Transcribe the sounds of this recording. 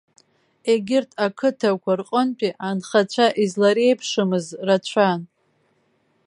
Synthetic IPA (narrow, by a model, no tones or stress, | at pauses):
e̞ɡʲɪrtʼʰakʰɨtʰakʷʰarqʼənt͡pʼiʔanχat͡ɕʷʰaʔizlaɾejpʰʂɨmɨzrat͡ɕʷʰan